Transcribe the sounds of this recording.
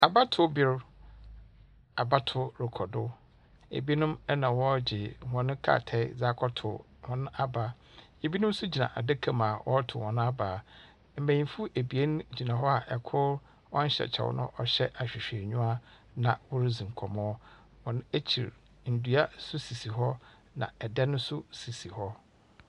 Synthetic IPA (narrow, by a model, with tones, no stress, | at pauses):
a˨ba˦tʰʊ˦bɪ˦ɾ | a˨ba˦tʰʊ˦ɾɪ˨kʰɔ˨dʊ˦ | ḛ˨bi˦nʊ̃˦mɛ˦nã˨wɔ˦d͡ʑɪ˨hɔ̃˨nɪ̃˦kʰa̰ː˦˨tʰɛ˦d͡za˦kʰɔ˦tʰʊ̰˨ | hɔ̃˨nʊ̃˦a˦baː˦ | e˨bi˦nʊ̃˦m˦sʊ˦d͡ʑi˨nã̰˨ʔa̰˨da˦kʰã˨mã˨wʔɔ˦tʰʊ˨hɔ̃˨nʊ̃˦a˦baː˨ | m̩˨mæ̃˨ɲĩ˨fu˦ʔe˨bi˨e˦ñ˦d͡ʑi˨nã˨ɦɔ˦a˨ʔɛ˨kʰʊ˦ɾ | wɔ˦n̩˦ɕɛ̰˨t͡ɕʰɛ̰˨wʊ̰˦nʊ̰̃˦ʔɔ˦ɕɛ˦ʔa˨ɕᶣɪ˨ɕᶣe˨ɲᶣũ˦a˦ | nã̰˨wʊ˦ɾzĩ˨ŋ̩˨kʰɔ˨mɔ̃˦ | wɔ̃˨nʊ̃˦æ˦t͡ɕʰi˨ɾ | n̩˨du˨˦a˦sʊ˦si˨si˨ɦɔ˦ | nã̰˨ɛ˨dɛ˦nʊ̃˦sʊ˦si˨si˨hɔ˦